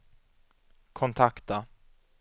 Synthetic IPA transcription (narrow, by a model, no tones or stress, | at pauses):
kʰɔnt̪ʰakt̪a